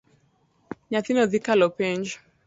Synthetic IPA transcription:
ɲaθinɔðikalɔpɛnd͡ʒ

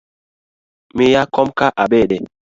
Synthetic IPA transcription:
mijakɔmkaʔabɛːɗɛ

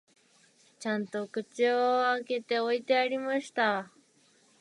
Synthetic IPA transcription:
t͡ʃant̪okɨt͡ʃeoaket̪eojt̪eaɾimaʃt̪a

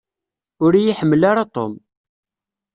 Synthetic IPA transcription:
ʊɾjiħəmːəlaɾat̪ˤo̰m

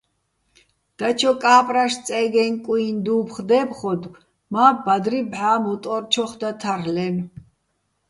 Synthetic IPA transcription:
d̪̥at͡ʃʰɔkʼaːpʼɾaʃt͡sʼɛɡɛnkʼuind̪uːpχd̪ɛːpχɔd̪ | maːbad̪ɾibʕaːmut̪ʼɔɾt͡ʃʰɔχd̪at̪ʰaɾlɛn

